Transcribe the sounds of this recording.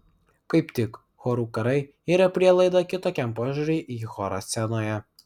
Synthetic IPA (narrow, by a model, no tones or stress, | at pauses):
kɐɪpt̪ʲɪk | xoːɾuːkɐɾɐɪ | iːɾɐpʲɾʲiɛlˠɐɪd̪ɐkʲɪt̪oːkʲɛmpoːʒʲuɾʲɛɪʔiːxoːɾɐsʲsʲɛnoːjɛ